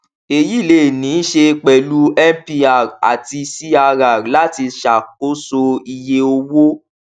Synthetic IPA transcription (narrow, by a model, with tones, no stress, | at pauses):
e˨ji˦˨le˦˨nĩ˨˦ʃe˧k͡pɛ˨lu˦ɛ˦m˦pi˧a˨a̰˨ti˧si˦a˧ɾa˨la˨˦ti˧ʃa˨ko˦so˧i˧je˧o˧wo˦